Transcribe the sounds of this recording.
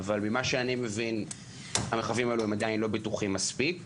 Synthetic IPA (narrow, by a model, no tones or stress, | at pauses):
valmimaʃeanime̞vin | ameχavimaeluemad̪ainlo̞bet̪uχimːaspik